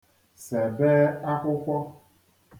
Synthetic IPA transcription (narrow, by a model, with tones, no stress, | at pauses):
se˨be˦a˦kʷʊ˦kʷɔ˦